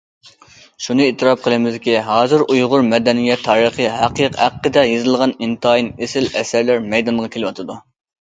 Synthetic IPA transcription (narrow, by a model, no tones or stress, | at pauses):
ʃunɨet̪ʰːɨɾɑp̚qʰəlˠɨmɪzd̪ɪkʲiɦɑːzɨɾujʁʊɾmɛd̪ɛnijɛt̪ʰːɑːɾəχəɦæqʰiqhæqːəd̪ɛjezɨlˠʁɑnint̪ɑːjinesɪlɛsæɾlæɾmɛjd̪ɑnʁɑkʲelɪwɑt̪ʰɨd̪u